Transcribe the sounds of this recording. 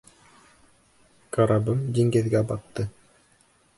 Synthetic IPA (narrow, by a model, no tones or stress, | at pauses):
kaɾabɤmd̪iŋɡɘðɡæbɑt̪ːɤ